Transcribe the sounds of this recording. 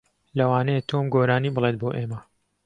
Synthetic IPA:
lɐwaːnɐjet̪ʰoːmɡoːɾaːniːbɨlˠet̪̚boːʔeːmɐ

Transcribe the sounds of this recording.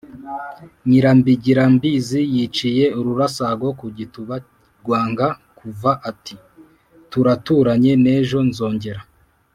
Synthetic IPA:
ɲiɾambiɟiɾambizijit͡ʃije̞uɾuɾasaɡo̞kuɟituβa | ɡwaːŋɡakuvaʔatʰi | tuɾatuɾaɲe̞ne̞ːʒo̞nzo̞ːɲɟe̞ɾa

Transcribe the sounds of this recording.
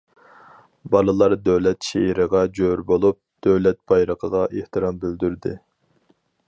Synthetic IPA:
bɑlˠɨlˠɑɾd̪øwlɛt̪ʃeɾəʁɑd͡ʒøɾbolˠup̚d̪̥øwlɛt̪̚b̥ɑjɾəqʰəʁɑʔeht̪ɨɾɑmbɪld̪yɾd̪ɪ

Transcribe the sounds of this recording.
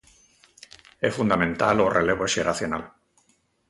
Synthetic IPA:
efund̪amẽnt̪alorʔeleβoeʃeɾaθjona̰l

